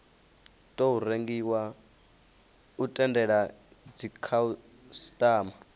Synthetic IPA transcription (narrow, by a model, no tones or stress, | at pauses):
tʼouɾeŋɡiwa | utʼɛndɛɺa | d͡zikʰau | stʼaːma